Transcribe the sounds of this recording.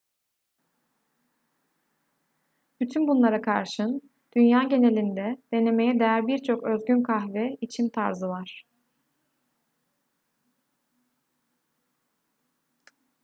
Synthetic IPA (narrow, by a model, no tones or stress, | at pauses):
b̥yt̪ʰynbunlˠaɾakʰaɾʃɯn | d̪̥ynjaːɟe̞ne̞lʲind̪ɛd̪̥e̞ne̞me̞jɛd̪ejæɾbiɾt͡ʃʰo̞kø̞zɟynkʰaxvɛit͡ʃʰimt̪ʰaɾzɯvaɾ̥